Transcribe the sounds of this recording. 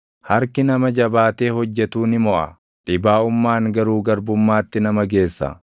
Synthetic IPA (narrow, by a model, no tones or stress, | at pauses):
hɐɾkɪnɐmɐd͡ʒɐbaːt̪e̞ːhɔd͡ʒːɛt̪uːnɪmɔʔɐ̰ | ᶑɪbaːʊmːaːŋɡɐɾuːɡɐɾbʊmːaːt̪ːɪnɐmɐɡe̞ːsːɐ̰